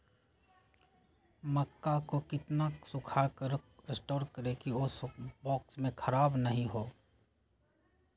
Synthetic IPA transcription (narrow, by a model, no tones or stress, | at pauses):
məkːakokɪt̪nasʊkʰakəɾɪsʈoːɾkɐɾekiosbɔːksmẽkʰɐɾaːbnɐɦĩɦoː